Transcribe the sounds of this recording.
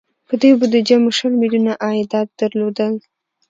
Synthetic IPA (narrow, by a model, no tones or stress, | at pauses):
pəd̪ujbəd̪əd͡ʒamoʃəlmiljunaʔɑɪd̪ɑt̪̚d̪̥əɾlod̪əl